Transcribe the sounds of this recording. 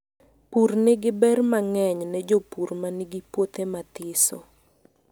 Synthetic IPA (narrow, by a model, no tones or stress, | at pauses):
purnɛɡɪbɛrmaŋɛɲnɛd͡ʒopurmaniɡipwot̪emat̪ɪso̰